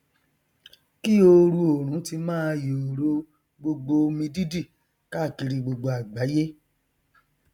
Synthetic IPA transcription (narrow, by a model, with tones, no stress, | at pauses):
ki˦o˧ɾu˧˦o˨ɾ̃ũ˨˦ti˧mãː˦jo˨ɾo˦ | ɡ͡bo˧ɡ͡bo˧o˧mĩ˧di˦di˦˨ | ka˦˨ki˧ɾi˧ɡ͡bo˧ɡ͡bo˧a˨ɡ͡ba˨˦je˦